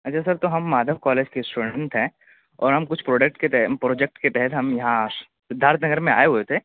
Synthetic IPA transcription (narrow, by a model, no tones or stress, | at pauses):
ɐt͡ʃʰasɐɾt̪oɦɐmːaːd̪ʱəʋkɔːleːd͡ʒkesʈuːɖə̃ɳʈɦɛ̃ː | ɔ̰ːɾɦɐmkʊt͡ʃʰpɾoːɖek̚ʈket̪ɛpɾoːd͡ʒek̚ʈket̪ɛɦɛt̪ɦɐmjɐɦã | d̪ʱaːɾət̪ʰnɐɡəɾmẽa̰ːeɦuet̪ʰeː